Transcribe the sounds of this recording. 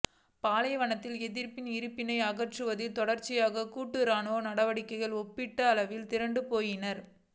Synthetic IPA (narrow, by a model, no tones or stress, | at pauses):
paːlɐjɐʋɐɳɐt̪ːɪlɛðɪɾpɪnɪɾɯpːɪnɐɪɐɣɐʈrɯʋɐðɪt̪ɔɽɐɾt͡ʃːɪjaːɣɐkuːʈːɯɾaːnoːnɐɽɐʋɐɽɪkːɐɪɣɐɭɔpːɪʈːɐːlɐʋɪlt̪ɪɾɐɳɖɯpoːjɪnɐɾ